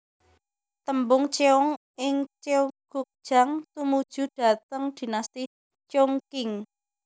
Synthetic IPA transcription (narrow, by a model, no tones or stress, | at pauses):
t̪əmbʊŋt͡ʃeɔŋ | ʔɪŋt͡ʃeuɡ̥uk̚d̥ʒ̥a̤ŋt̪umud̥ʒ̥ṳd̥a̤t̪əŋd̪̥i̤nast̪ɪ | t͡ʃoŋkɪŋ